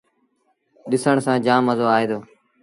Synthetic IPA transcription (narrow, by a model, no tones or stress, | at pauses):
ɗɪsəɳsãːd͡ʒãːməzoːaːeːd̪oː